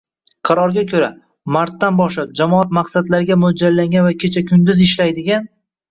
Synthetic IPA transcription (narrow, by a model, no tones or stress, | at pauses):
qʰɑɾɒɾɡʲakʲʰɵɾa | maɾt̪ːanbɒʃlap̚d͡ʒamɒat̪maqsad̪laɾɪɡʲamʊd͡ʒallːaŋɡʲanvakʲʰe̞t͡ʃʰakʲʰʊnd̪ɪzɪʃlajd̪ɪɡʲan